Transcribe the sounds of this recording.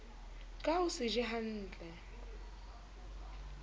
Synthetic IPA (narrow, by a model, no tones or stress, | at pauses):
kʼaʊsɪʒɪɦan̩ːt͡ɬʼɛ